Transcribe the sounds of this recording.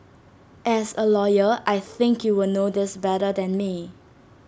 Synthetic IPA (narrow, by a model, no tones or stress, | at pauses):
ʔɛsəlɔjəʔajθɪ̃ŋkʰjuwɪnodɪsbɛɾədɛ̃nmi